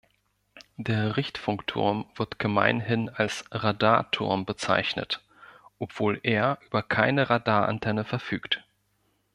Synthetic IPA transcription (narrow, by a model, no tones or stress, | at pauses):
d̥eːɐʁɪçtfʊŋktʰʊ̰ɐmv̥ɪɐtɡ̥əma̰ɪnɪnalsʁadaːɐtʰʊ̰ɐmbət͡sa̰ɪçnə̰t | ʔɔpv̥oːlʔeːɐʔyːbɐkʰaɪnəʁadaːɐʔa̰ntʰɛnəfɛɐfyːkt